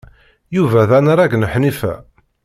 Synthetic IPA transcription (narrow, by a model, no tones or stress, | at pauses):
juvæðænɾˤɑɡnəħnifæ̰